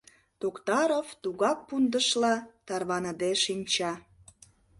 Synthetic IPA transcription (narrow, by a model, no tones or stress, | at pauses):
t̪okt̪ɑɾoft̪uɣɑk̚pund̪əʃlɑt̪ɑrβɑnəd̪eʃinʲt͡ɕɑ